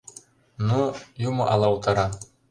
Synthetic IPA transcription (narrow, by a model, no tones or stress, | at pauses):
nujumɤʔɑlˠɑwt̪ɤɾɑ